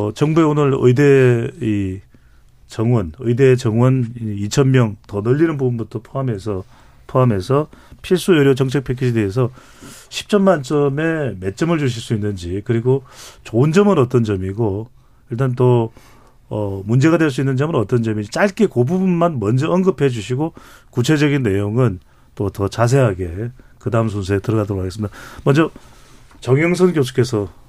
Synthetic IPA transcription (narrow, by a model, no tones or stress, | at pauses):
t͡ɕʌŋbue̞onɯɾɯ̰idei | t͡ɕʌŋwʌnɯ̰ide̞t͡ɕʌŋwʌnit͡ɕʰʌnmjʌŋtʌnʌʎːinɯnbubunbutʰʌpʰoame̞sʰʌ | pʰoame̞sʰʌpʰiɭs͈ujʌɾjot͡ɕʌŋt͡ɕʰek̚pʰekʰid͡ʑedeɦːs̬ʰʌ | ɕʰi̥p̚t͡ɕ͈ʌmmant͡ɕ͈ʌme̞me̞t̚t͡ɕ͈ʌmɯɭt͡ɕuɕ̬ʰiɭs͈uinːɯnd͡ʑikɯɾiɡot͡ɕond͡ʑʌmɯnʌt͈ʌnd͡ʑʌmiɡo | iɭt̬͈anto | ʌmund͡ʑe̞ɣadweɭs̬͈uinːɯnd͡ʑʌmɯɾʌt͈ʌnd͡ʑʌmit͡ɕ͈aɭk͈ekobubnmanmʌnd͡ʑʌʌnɡɯpʰe̞d͡ʑuɕʰiɡokut͡ɕʰe̞d͡ʑʌɡinːe̞joŋɯn | t͈otʌt͡ɕas̬ʰe̞ɦaɡe̞kɯdaɯms̬ʰonsʰeetɯɾʌɣadoɾokʰaɡes͈ɯmid̥amʌnd͡ʑʌ | t͡ɕʌŋjʌŋs̬ʰʌnkjosʰu̥k͈ʰe̞sʰʌ